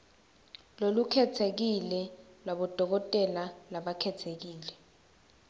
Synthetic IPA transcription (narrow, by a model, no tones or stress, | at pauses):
lolukʰɛtʰek̬ilɛlwaɓɔd̥ʱɔk̬ɔtʼɛlalaɓakʰɛtʰek̬iːlɛ